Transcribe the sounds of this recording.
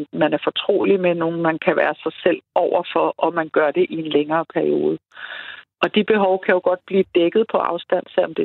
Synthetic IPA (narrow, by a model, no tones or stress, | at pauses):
mænæɐfɒ̽t͡sʰʁo̝̰ːlimeno̝ːn̩mænkʰæʋæːɐsɑ̈ɪsel̰ʔɒʊ̰ɐfɒ̽ʔɒ̽mænɡ̥ɶɐd̥e̝ʔie̝nleŋɐːpʰæɐio̝̰ːð̞ˠ | ʔɒ̽d̥ib̥e̝ɦɒʊkʰæjo̝ɡ̥ɒ̽d̥̚b̥liːd̥eɡ̥ð̞̩ˠpʰɒ̽ʔɑ̈ʊsd̥æn̰sel̰ɒ̽md̥e̝